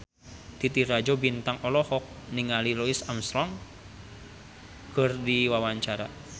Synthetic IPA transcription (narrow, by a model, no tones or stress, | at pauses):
t̪it̪iɾad͡ʒɔbint̪aŋɔlɔhɔk̚niŋalilɔisamsɾɔŋ | kɨrdiwawaɲt͡ʃaɾa̰